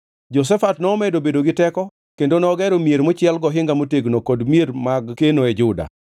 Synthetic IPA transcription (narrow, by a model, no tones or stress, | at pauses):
d͡ʒɔs̬ɛfatnɔːmɛdobedoɡɪtɛkɔ | kendonɔːɡɛɾomieɾmʊt͡ʃɪɛlɡɔɦɪŋɡamoteɡnokodmijeɾmaɡkenoed͡ʒʊda̰